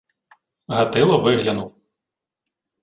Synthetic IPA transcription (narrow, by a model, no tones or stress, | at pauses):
ɦɐt̪ɪlˠɔʋɪɦlʲɐnuw